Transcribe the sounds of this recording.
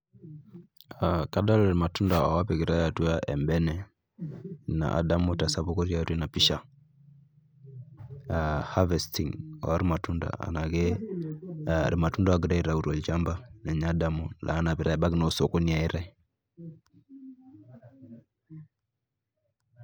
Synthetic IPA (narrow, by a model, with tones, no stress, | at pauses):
aka˦da˦lɾi˨ma˨tu˦nda˨a̰˨wa˦pɛ˨ɡi˨ɾa˦ja˨tu˦a˦ʔɛ˨mbɛ˦nɛ˨ | na̰˨ʔa̰˨da˦mo˦ta˨sa˦βo˦kɔ˦ɾja˨˦te˦na˨pi˦ʃa˨ | ha˦vɛ˨sti˨ŋa̰˨wa˦ɾi˦ma˨tu˦nda̰a̰˨na˨ɣe˦ | ɾʔi˨ma˨tu˦nda˦wa˦ɡi˦ɾa˦i˨ɾa˨u˨ɾɔ˨ld͡ʒa˦mba˦nɛ˨ɲa˦da˦mu˨lʔa̰ː˨˦na˨pi˨ɾa˦ɛ˨ba˦ɡno˦so˨ko˦ni˨a˨e˦ɾa˦